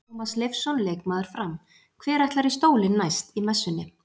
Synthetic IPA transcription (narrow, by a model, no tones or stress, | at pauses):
owmaslejfsɔnleːjkmaːðʏɾ̥fɾam | kʰvɛːɾɛht̪laɾist̪oːwlɪnːajst̪imɛsːʏnːɪ